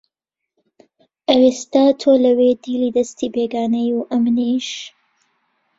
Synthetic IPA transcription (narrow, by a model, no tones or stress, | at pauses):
ʔɐwest̪aːt̪ʰoːlɐwed̪iːliːd̪ɐst̪iːbeːɡaːnɐjuʔɐmniʃ